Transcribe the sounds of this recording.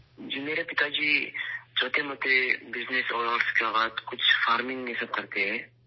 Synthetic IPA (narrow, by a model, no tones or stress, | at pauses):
d͡ʒiːmeːɾapɪt̪ad͡ʒiːd͡ʒoːt̪eɦɛmʊt̪ebɪznesɔːɖəɾskeabaːt̪kʊt͡ʃʰfaːɾmɪ̃ŋɡɛsəb̚kɐɾt̪eɦɛ̃ː